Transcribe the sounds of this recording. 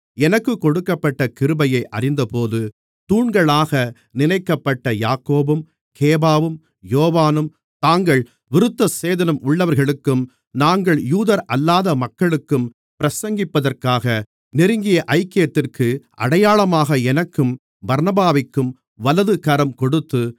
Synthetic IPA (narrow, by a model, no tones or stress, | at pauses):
ɛnɐkːɯkːɔɽɯkːɐpːɐʈːɐkɪɾɯbɐjɐɪʔɐrɪnd̪ɐpoːðɯ | t̪uːɳɡɐɭaːɣɐ | nɪnɐɪkːɐpːɐʈːɐjaːkoːbɯm | kʰeːbaːʋɯm | joːʋaːnɯm | t̪aːŋɡɐɭ | ʋɪɾɯt̪ːɐseːðɐnɐmʊɭːɐʋɐɾɣɐɭɯkːɯm | naːŋɡɐɭjuːðɐɾɐlːaːðɐmɐkːɐɭɯkːɯm | pɪɾɐsɐŋɡɪpːɐðɐrkaːɣɐ | nɪɾɯŋɡɪjɐʔɐɪkːɪjɐt̪ːɪrkʰɯʔɐ̰ɽɐjaːɭɐmaːɣɐɛnɐkːɯm | bɐɾnɐbaːʋɪkːɯm | ʋɐlɐðɯkɐɾɐmkɔɽɯt̪ːɯ